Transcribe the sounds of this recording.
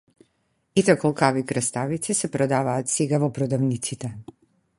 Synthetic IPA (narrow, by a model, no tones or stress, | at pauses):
it̪ɛkɔlˠkavikɾast̪avit̪sisɛpɾɔd̪avaːt̪seɡavɔpɾɔd̪avnit̪sit̪ɛ